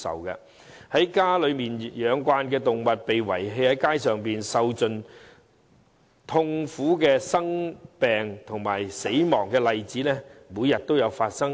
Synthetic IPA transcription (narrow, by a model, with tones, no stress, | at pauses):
sɐ̰˨wkɐ̰˧ | hɐ˨˥jkaː˥lɵ˨˧ɥmiː˨njœː˨˧ŋkʷaː˧nkɛː˧t̪ʊ˨ŋmɐ˨t̚pe˨jwɐ̰˨˩jɦe˧jhɐ˨˥jkaː˥jsœː˨ŋpiː˨nsɐ˨wt͡sɵ˨n | t̪ʰʊ˧ŋfuː˨˥kɛː˧sɐ˥ŋpɛː˨ŋt̪ʰʊ˨˩ŋmaː˨˩jse˨˥jmɔː˨˩ŋkɛː˧lɐ˨jt͡siː˨˥lɛː˥muː˨˧jɐ˨t̚t̪o˥wjɐ˨˧wfaː˧t̚sɐ˥ŋ